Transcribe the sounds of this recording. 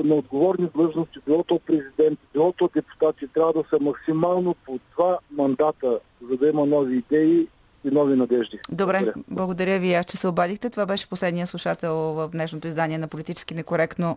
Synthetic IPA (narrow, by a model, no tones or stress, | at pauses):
nɛod̪ɡovɔɾnid̪lˠɤʒnost̪ibilˠɔt̪opɾɛzid̪ɛnt̪bilˠɔt̪ɔd̪ɛpu̥t̪at̪it̪ɾʲavəd̪ɐsəmɐksimalˠnopod̪vamɐnd̪at̪ə | zɐd̪ɐimɐnɔviːd̪ɛi | inɔvinɐd̪ɛʒd̪id̪obɾɛblˠɐɡod̪ɐɾʲjəviast͡ʃɛsɛobad̪ixt̪ɛt̪ovabɛʃɛ̥poslɛd̪nijəslˠuʃat̪ɛlˠvəfd̪nɛʃnot̪oizd̪aniɛnɐpolit̪it͡ʃɛ̥skinɛkoɾɛkt̪no